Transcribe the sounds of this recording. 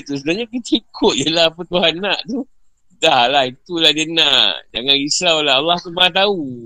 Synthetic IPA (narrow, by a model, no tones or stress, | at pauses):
t̪usəbnaɲakit̪aikʰʊt̪̚jəlaɦapət̪uɦanːaʔt̪u | dahlahit̪ulahdiənaʔd͡ʒaŋãnisawlaalːaht̪umaat̪̬au